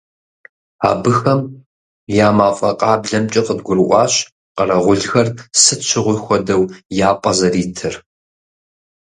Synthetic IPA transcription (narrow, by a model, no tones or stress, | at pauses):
a̰ːbɨxɐm | jaːmaːfʼɐqʼɑːbɮɐmt͡ʃʼɐqəb̚ɡʷʊrɨʔʷɑːɕ | qɐrɐʁʷʊɮxɐrsɨt͡ʃʰɪʁʷʊjxʷɔdɐwjaːpʼɐzɐriːtʰɨr